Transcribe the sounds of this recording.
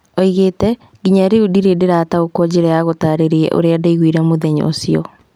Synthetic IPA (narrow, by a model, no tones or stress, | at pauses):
ɔiɣeːtɛ | ɡiɲaɾeudiɾedeɾaːtaokɔd͡ʑeɾɛjaɣotaːɾeɾiɛ̰ʔo̰ɾeadaiɣwiɾamoðɛɲɔ̰o̰siɔ